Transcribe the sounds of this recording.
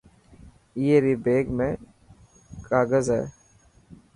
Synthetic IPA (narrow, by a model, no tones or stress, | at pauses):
jeːɾiːbeːɡmẽ | kaːɡəzɦɛ̰ː